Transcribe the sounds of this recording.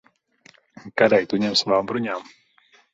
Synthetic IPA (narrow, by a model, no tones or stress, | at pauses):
kadajt̪uɲɛmsvaːmpɾoɲam